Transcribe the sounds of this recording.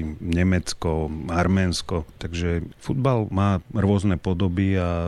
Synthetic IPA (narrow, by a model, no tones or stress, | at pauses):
ɲɛmɛt͡skɔaɾmɛːnskɔt̪aɡʒɛfud̪̚balmaːɾʊɔznɛpɔd̪ɔbia